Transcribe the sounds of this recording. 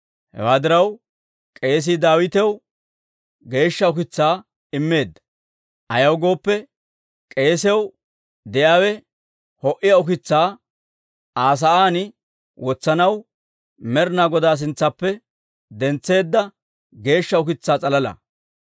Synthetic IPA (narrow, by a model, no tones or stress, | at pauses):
hɛ̰waːd̪ɪɾɐw | kʼe̞ːs̬ɪd̪aːwɪt̪ɛw | ɡe̞ːʃːɐʊkɪt͡sːaː | ɪmːe̞ːd̪ːɐ̥ | ʔɐjɐwɡo̞ːpːɛ | kʼe̞ːsɛw | d̪ɛjaːwɛ | hɔʔɪjɐʊkɪt͡sːaː | aːs̬ɐʔaːnɪ | wɔt͡sːɐnɐw | mɛɾnaːɡɔd̪aːs̬ɪnt͡sːɐpːɛ | d̪ɛnt͡sːe̞ːd̪ːɐ | ɡe̞ːʃːɐʊkɪt͡sːaːt͡sʼɐlɐlɐ̰